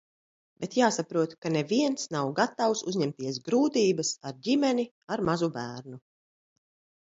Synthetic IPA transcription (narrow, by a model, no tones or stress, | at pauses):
bɛt̪jaːsapɾuɔt̪kaneviɛnsnawɡat̪awsuzʲɲɛmt̪iɛs̬ɡɾuːt̪iːbasaɾɟimɛni | aɾmazubæːɾnu